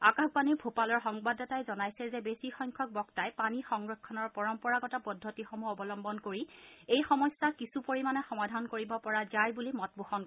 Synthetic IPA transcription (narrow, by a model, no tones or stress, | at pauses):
akakpaniɹbʱopalɔɹxɔŋbadɔtajzɔnajsɛzɛbesixɔjŋkʰɔk̚bɔktajpanixɔŋɹɔkʰːɔnɔɹpɔɹɔmpɔɹaɡɔtapɔdʱːotixɔmuɔbɔlɔmbɔnkoɹiejxɔmɔsːakisupoɹimanɛxɔmadʱankoɹibɔpɔɹazajbulimɔt̚boxɔn